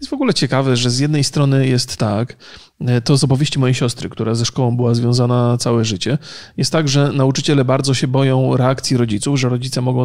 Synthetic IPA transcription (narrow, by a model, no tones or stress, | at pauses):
jjɛsvɔɡulɛt͡ɕɛkavɛʐɛzjɛd̪nɛjst̪ɾɔnɘjɛst̪ːak | t̪ɔzɔpɔvʲjeɕt͡ɕimɔjejɕɔst̪ɾɘkt̪uɾazɛʂkɔwɔ̃w̃bɘwazvʲjɔ̃w̃zanat̪sawɛʐɘt͡ɕɛjɛst̪ːaɡʐɛnaut͡ʂɘt͡ɕɛlɛbaɾd̪zɔɕɛbɔjɔ̃w̃ɾɛakt̪sʲjiɾɔd͡ʑit̪sufʐɛɾɔd͡ʑit̪sɛmɔɡɔ̃w̃